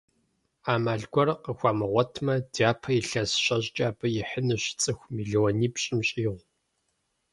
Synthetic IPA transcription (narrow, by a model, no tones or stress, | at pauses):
aːmaːɮɡʷɔrqəxʷaːmɨʁʷɔtʰmɐdaːpʰɐjɪɬɐsɕʼɐʑt͡ʃʼaːbɨjɪħənɨɕt͡sʼɨxʷmiːɮwɔniːpɕʼɪmɕʼiːʁʷ